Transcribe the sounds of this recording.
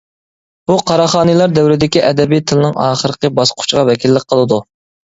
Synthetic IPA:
b̥uqʰɑɾɑχɑːnɨlˠɑɾd̪æwɾɪd̪ɪkʲiʔɛd̪ɛbijt̪ʰɨlˠɨnɪŋɑːχəɾəqəbɑsqʰʊ̥t͡ʃʁɑvɛkʲilːɪk̚ʲqʰəlˠɨd̪u

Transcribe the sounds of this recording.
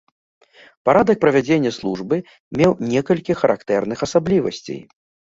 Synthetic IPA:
paɾad̪ɐk̚pɾɐvʲad͡zʲenʲːɛslˠuʐbɨ | mʲɛwnʲɛkɐlʲkʲixɐɾʔa̰kt̪ɛrn̪ɨxɐsablʲivɐ̰sʲt͡sʲḛj

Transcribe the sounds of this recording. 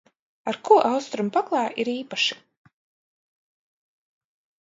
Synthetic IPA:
aɾkuʔawst̪ɾumpaklˠaːʔiɾiːpaʃi̥

